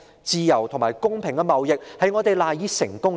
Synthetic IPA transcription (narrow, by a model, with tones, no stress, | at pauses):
t͡siː˨jɐ˨˩wt̪ʰʊ˨ŋmaː˨jkʊ˥ŋpʰɪ˨˩ŋkɛ˧mɐ˨˧wjɪ˨k̚hɐ˨˧jŋɔː˨˧t̪e˨˧jlaː˨jiː˨˧˥sɪ˨˩ŋkʊ˥ŋ